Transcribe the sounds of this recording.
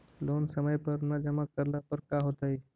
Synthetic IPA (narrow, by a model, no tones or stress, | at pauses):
lonsəməjpəɾnəd͡ʑəmakəɾlapəɾkaɦot̪ai